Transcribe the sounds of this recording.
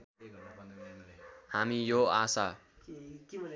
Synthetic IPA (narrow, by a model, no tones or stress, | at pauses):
hamijoasa | ki